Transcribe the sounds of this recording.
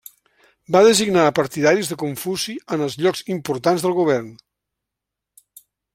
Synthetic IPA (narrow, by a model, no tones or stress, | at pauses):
baðəziɡnapəɾt̪iðaɾizðəkuɱfuziənəlˠzʎɔkzimpuɾt̪anzðəlˠɣuβ̞ɛɾn